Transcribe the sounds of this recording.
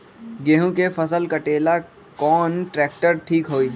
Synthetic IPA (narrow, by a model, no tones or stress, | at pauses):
ɡeːɦõkefɐsəlkɐʈeːla | kɔːnʈɾɛːk̚ʈəɾʈʰiːkɦoːiː